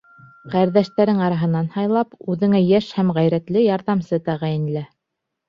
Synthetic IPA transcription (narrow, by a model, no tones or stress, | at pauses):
qæɾðæʃt̪æɾɘŋɑɾɑɦɤ̆nːɑnhɑjlˠɑpʉðɘ̆ŋæjæʃhæmʁæjɾæt̪lɘjɑɾðɑmsɤt̪æʁæjɘ̆nlæ